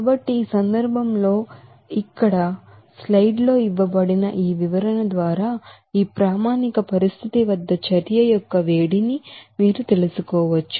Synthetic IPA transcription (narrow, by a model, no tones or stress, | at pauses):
kabɐʈːiːsɐnd̪ɐɾbʱɐmlo̞ː | ikːɐɽɐ | slɐjɖlo̞ːiʋːɐbɐɽinɐ̰ʔiːʋiʋɐɾɐnɐd̪ʋaːɾaː | iːpɾaːmaːnikɐpɐɾist̪ʰit̪iʋɐd̪ːɐt͡ʃɐɾjɐjɔkːɐʋe̞ːɽinimiːɾut̪e̞lusukɔːʋɐt͡ʃːu̥